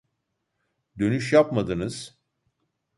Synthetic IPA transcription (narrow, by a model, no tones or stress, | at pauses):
d̪ø̞nyʃjapmad̪ɯnɯz̥